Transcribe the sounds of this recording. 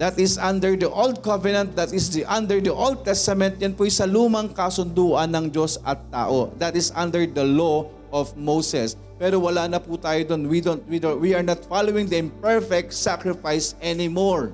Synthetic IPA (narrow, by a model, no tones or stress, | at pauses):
d̪ɐt̪ɪsʔɐ̃nd̪ɛɹd̪ɐʔold̪̚kɐvɛnɐ̃nt̪̚d̪ɐt̪ɪsd̪iʔɐnd̪ɛɹd̪ɐʔold̪̚t̪ɛst̪ɐmɛ̃nt̪̚jɐnpʊɪsɐluːmɐŋkɐsʊnd̪uːʔɐnːɐŋd͡ʒo̞sɐ̰t̪ːa̰ːʔod̪ɐt̪ɪsʔɐ̃nd̪ɛɹd̪ɐlo | ʔɔfmowsɛs | pɛːɾowɐlaːnɐput̪aːjod̪onwid̪ont̪̚wid̪owiɐɹnat̪falowɪ̃ŋd̪ɐɪ̃mpɛɹfɛk̚t̪sakɹɪfajsʔɛnɪmoɹ